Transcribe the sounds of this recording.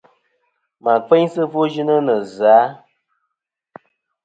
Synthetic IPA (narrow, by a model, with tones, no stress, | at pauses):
ma˨k͡pe˦ɲsə˦vo˦ʒi˦nə˦nə˨zaː˨˦